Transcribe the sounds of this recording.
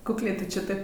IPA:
kʊkˈlʲeː ˈtʊ ˈt͡ʃʲeː ˈtɐɪp

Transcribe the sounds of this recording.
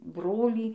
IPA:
ˈbroːlʲiː

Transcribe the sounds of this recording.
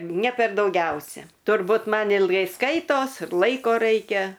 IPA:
nʲɛ pʲɛr dɐʊˈɡʲɛʊsʲɛ tʊrˈbuːt ˈmɐn ɪlˠˈɡɐɪ ˈskɐɪtoːs ɪr ˈlˠɐɪkoː ˈrɐɪkʲɛ

